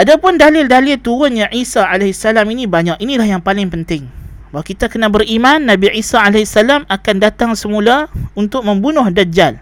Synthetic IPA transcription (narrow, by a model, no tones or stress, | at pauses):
ʔadapʊndalɪldalɪlt̪uɾʊnɲaʔisaalɛɦsalaminĩbaɲakinilahjaŋpalɪŋpənt̪ɪŋbawakit̪akənabərimanːãbiisaalɛsalamakandat̪aŋsəmulaunt̪ʊk̚mə̃mbunʊhdad͡ʒal